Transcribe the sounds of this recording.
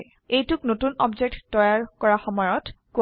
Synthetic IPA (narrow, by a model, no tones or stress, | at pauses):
ejtuknotunɔbzek̚ttɔjaɹkɔɹaxɔmɔjɔtko